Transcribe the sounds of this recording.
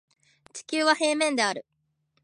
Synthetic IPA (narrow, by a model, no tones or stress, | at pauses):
t͡ɕi̥kʲɨːβahe̞ːmẽ̞nd̪e̞aɾɯ̟